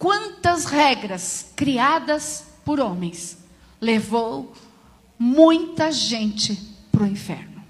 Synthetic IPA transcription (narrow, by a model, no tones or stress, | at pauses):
kwɐ̃nt̪ɐshɛɡɾɐskɾiad̪ɐspʊɾõmẽj̃s | levow | mũj̃t̪ɐʒẽnt͡ʃɪpɾʊĩfɛ̰ɾnʊ